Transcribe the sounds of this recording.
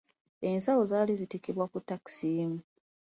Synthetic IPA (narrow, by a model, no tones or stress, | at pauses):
ensawozaːlizitikiβwakutːaki̥simu